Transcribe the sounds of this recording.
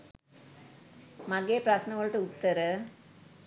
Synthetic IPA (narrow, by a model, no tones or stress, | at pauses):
mɐɡeːprɐsnɐʋɐɭʈːɨut̪ːɐɾɨ